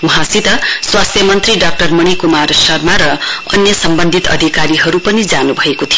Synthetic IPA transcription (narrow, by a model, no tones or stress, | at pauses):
uɦãsit̪ʌswast̪ʰjʌmʌnt̪riɖak̚ʈʌrmʌɽ̃ikumarsʌrmaɾʌʌnjʌsʌmbʌnd̪ʱit̪ʌ̰d̪ʱikaɾiɦʌɾupʌnid͡zanubʱʌekot̪ʰijo